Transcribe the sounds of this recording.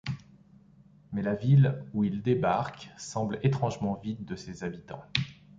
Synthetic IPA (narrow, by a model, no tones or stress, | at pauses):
mɛlaviluild̪ebaʁksɑ̃blet̪χɑ̃ʒmɑ̃vit̪̚d̪əsezabit̪ɑ̰̃